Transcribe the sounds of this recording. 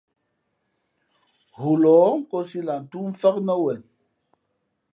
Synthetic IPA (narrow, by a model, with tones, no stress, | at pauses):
hu˨lɔː˨˦ŋ̩˦kɔ˦si˦la˨n̩˨tu˦ɱ̩˦fɛ˦k̚nɔ˦wɛ˨n